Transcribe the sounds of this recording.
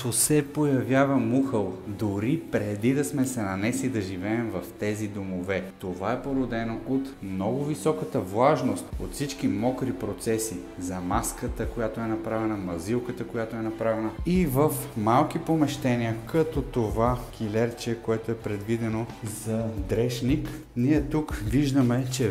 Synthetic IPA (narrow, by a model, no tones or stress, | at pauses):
t̪osɛpojɐvʲjavɐmuxəlˠd̪ʊɾipɾɛd̪id̪ɐsmɛsɛnɐnɛslid̪ɐʒivɛːmvɐft̪ɛzid̪omovɛt̪ovaɛpoɾod̪ɛnoʔot̪mnɔɡʊvisɔkət̪əvlˠaʒnost̪o̰t̪fsit͡ʃkimɔkɾipɾot̪sɛsi | zɐmaskət̪əkojat̪oɛnɐpɾavɛnəmɐzilˠkət̪əkojat̪oɛnɐpɾavɛnəivəfmalˠkipomɛʃt̪ɛnʲiəkɐt̪ɔt̪ovak̟ilɛɾt͡ʃɛkoɛt̪oɛpɾɛd̪vid̪ɛnozɐd̪ɾɛʃnik | niɛt̪ukviʒd̪əmɛt͡ʃɛ